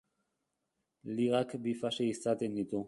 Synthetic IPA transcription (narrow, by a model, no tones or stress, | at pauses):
liʁakbifaʃeisat̪end̪it̪u